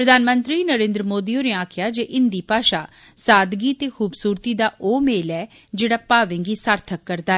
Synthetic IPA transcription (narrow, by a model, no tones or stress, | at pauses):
pɾəd̪ʱaːnmə̃nt̪ɾiːnəɾẽːnd̪ɾəmoːd̪iːoːneaːkʰjaːd͡ʒeːʔɪnd̪iːpaːʃaː | saːd̪ɡiːt̪eːxʰuːbsuːɾt̪iːd̪aːʔoːmeːlɛː | d͡ʒeːɽaːpaːʋẽŋɡiːsaːɾt̪ʰəkːəɾd̪aːɛː